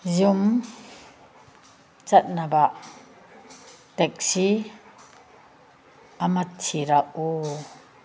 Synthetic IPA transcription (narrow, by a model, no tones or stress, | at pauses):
zum | t͡sat̪̚nabaʔ | tɛk̚si | amatʰːiɾaʔu